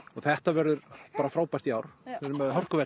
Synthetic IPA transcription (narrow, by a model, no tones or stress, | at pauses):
ɔɣθɛht̪avɛɾðʏɾpaːɾafɾaːwpaj̥t̪ijaːwɾ̥ɛmɛðɦœr̥kʏvɛ